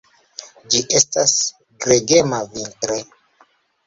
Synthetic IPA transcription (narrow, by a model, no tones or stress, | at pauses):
d͡ʒiʔe̞stas | ɡɾeɡe̞mavintɾo